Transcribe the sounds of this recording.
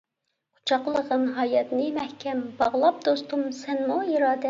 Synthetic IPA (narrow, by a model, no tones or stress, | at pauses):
u̥t͡ʃʰɑqlˠəʁənɦɑjɑt̪nɨmɛhkʲʰɛmbɑʁlˠɑp̚d̪ost̪umsɛnmuiɾɑːd̪ɛ